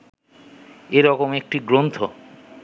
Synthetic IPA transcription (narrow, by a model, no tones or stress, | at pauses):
eɾɔkomek̚ʈiɡɾont̪ʰo